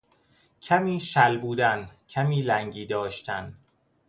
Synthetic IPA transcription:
cʰæmiːʃælbuːd̪æncʰæmiːlæŋɟiːd̪ɒːʃt̪ʰæn

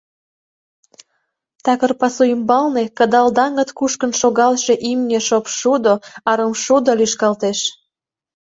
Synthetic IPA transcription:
t̪ɑkərpɑsuimbɑlnekəd̪ɑld̪ɑŋə̆t̪kuʃkənʃoɣɑlʃe̽ʔimnʲeʃopʃud̪oɑɾəmʃud̪olyʃkɑlt̪eʃ

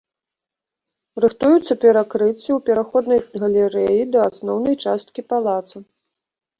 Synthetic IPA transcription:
rɨxt̪ujut̪sːɐpʲɛɾakɾɨt͡sʲːɐwpʲɛɾaxɔd̪nɐjɣɐlʲɛɾɛjid̪ɐasnɔwnɐjt͡ʂast̪̚kʲipalˠat̪sɐ

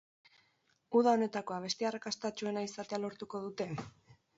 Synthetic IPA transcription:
uð̞ao̞ne̞t̪ako̞aβ̞e̞st̪earakast̪at͡ʃue̞naisat̪e̞alo̞ɾt̪uko̞ð̞ut̪e̞

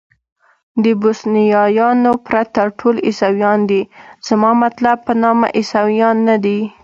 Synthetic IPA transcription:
d̪əbosnijɑjɑnopɾat̪aʈʰolɪsawjɑnd̪iz̥mɑmat̪lab̚pənɑma̰ʔɪsawjɑnːad̪i

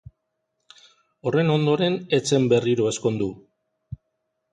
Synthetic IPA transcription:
o̞re̞no̞nd̪o̞ɾe̞ne̞t͡se̞mbe̞riɾo̞e̞sko̞nd̪u

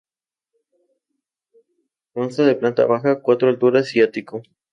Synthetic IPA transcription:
onsaðeplant̪a̰βaxakwat̪ɾoalt̪uɾaasjat̪iko

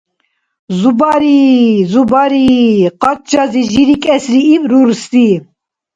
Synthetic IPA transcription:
zubɑɾizubɑɾiqɑt̪̚d͡ʒɑziʒiɾikʼɛsɾiːbɾuɾst̪i

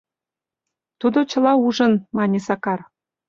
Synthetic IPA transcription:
t̪ud̪ot͡ɕə̆lɑuʒə̆nmɑnʲesɑkɑr

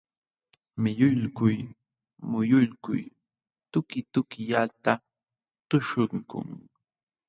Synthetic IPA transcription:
mɪʎʊʎkʊj | mʊjʊʎkʊ̰j | t̪ʊkɪt̪ʊkɪjat̪a | t̪ʊʃʊŋkʊ̰ŋ

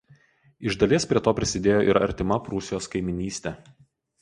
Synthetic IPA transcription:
ɪʒd̪ɐlʲiːspʲɾʲiɛt̪oːpʲɾʲɪsʲɪd̪ʲeːjoːʔɪɾɐ̰ɾʲt̪ʲɪmɐpɾʊsʲɪjoːskɐɪmʲɪnʲiːsʲt̪ʲɛ

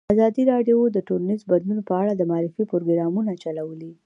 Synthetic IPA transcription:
azɑd̪iɾɑɖjd̪əʈoɾanizband̪lunopəaɽad̪əmɑɾɪfipoɾoɡɾɑmunat͡ʃalawəli

